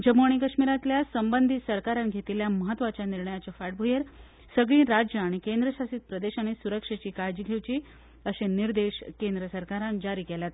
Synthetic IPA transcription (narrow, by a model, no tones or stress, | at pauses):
d͡ʑəmoɳ̃ikəɕmiɾat̪ljasəmbənd̪ʱit̪səɾkaɾanɡʱet̪iljaməɦət̪ːʋat͡ɕjaniɾɳəjat͡ɕəfaʈ̚bʱujeɾ | səɡɭĩːɾad͡ʑjəaɽ̃ikend̪ɾəsasiːt̪̚pɾəd̪eɕaɽ̃isuɾəkʂat͡ɕiːkajd͡ʑiɡʱewt͡ɕiː | əseniɾd̪eɕkend̪ɾəsəɾkaɾand͡ʑaɾiːkeljat̪̚